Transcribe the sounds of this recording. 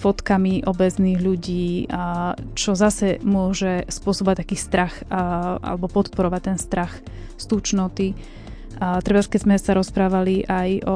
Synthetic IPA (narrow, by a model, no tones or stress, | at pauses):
fɔt̪kamiʔɔbɛzniːɣʎuɟiː | t͡ʃɔzasɛmʊɔʒɛspʊɔsɔbɔʋat̪akiːst̪ɾaxʔa̰lɛbɔpɔt̪pɔɾɔʋac̚t̪ɛnst̪ɾax | st̪uːt͡ʃnɔt̪i | t̪ɾɛbaskɛzmɛsaɾɔspɾaːʋaliʔajɔ